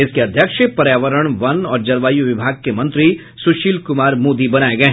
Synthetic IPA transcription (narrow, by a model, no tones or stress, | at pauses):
ɪskeɐd̪ʱjəkʃepɐɾjaːʋəɾəɽ̃ʋɐnɔːɾd͡ʒɐɾʋaːjuʋɪbʱaːɡ̚kemɐ̃nt̪ɾi | sʊʃiːlkʊmaːɾmoːd̪ibɐnaːeɡɐeɦ